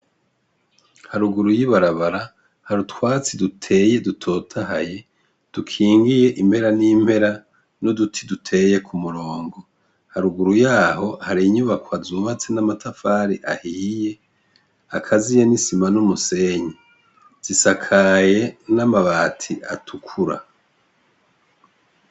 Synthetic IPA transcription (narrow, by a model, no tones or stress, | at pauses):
haɾuɡuɾujiβaɾaβaɾa | haɾutwaːt͡sidutʰe̞je̞dutʰo̞ːtʰaha̰je̞ | d̥ukʰiːŋɡijeʔimhe̞ɾaniːmbhe̞ɾa | nodutʰidutʰe̞ːje̞kʰumuɾo̞ːŋɡo̞ | haɾuɡuɾujaːho̞haɾiɲuβakwazumat͡senamatʰafaːɾiʔahiːje̞ | akʰazijenisimanumuse̞ɲi | z̥isakʰaje̞namaβaːtʰiʔa̰tʰukʰuɾa̰